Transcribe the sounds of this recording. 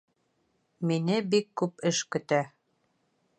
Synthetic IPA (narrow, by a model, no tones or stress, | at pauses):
minɘbikːʉpɘʃkɵ̆t̪æ